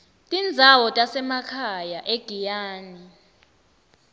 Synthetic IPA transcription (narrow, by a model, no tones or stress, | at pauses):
tʼind͡zʱawɔtʼasɛmakʰajaʔeɡ̥ʱijaːni